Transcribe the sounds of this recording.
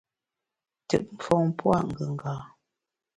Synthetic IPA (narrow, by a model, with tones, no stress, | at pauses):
tə̰˨ʔ̚m̩˨fɔ˦˨ŋ˦pwa̰˦˨ʔŋ̩˨ɡə˨ŋ̩˨ɡaː˨